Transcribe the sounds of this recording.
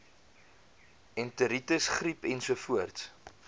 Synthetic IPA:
ɛntəɾitəsχripɛnsuəfuərts

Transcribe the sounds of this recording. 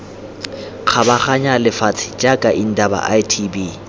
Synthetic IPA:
k͡xʰabaχaɲalɪfat͡sʰɪ̥t͡ʃʼakʼaʔin̩daba̰ʔajtʰibi

